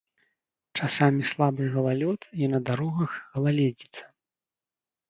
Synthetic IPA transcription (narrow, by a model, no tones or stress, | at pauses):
t͡ʂasamʲislˠabɨɣɐlˠalʲɔt̪inɐd̪aɾɔɣɐxɣɐlˠalʲɛd͡zʲit̪sɐ̥